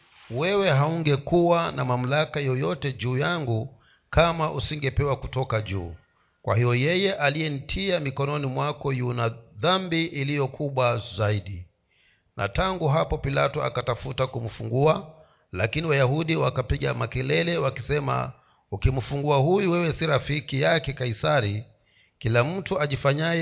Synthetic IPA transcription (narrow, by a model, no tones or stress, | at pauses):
wɛwɛɦauŋɡɛkuwanamam̩lakajɔjɔtɛd͡ʒuːjaŋɡu | kamaʔusiŋɡɛpɛwakutɔkaʄṵː | kwa̰hijɔjɛjɛʔalijɛn̩tʰiamikɔnɔnimwakɔjunaðambiʔilijɔkʰuɓwazaiɗi | na̰taŋɡuɦapɔpilatɔa̰katafutakum̩fuŋɡua | lakiniwajaɦuɗiwakapiɠa̰makɛlɛlɛwakisɛma̰ | ukim̩fuŋɡuahujuwɛwɛsiɾafikijakɛkaisaɾi | kilam̩tuaʄifaɲajɛ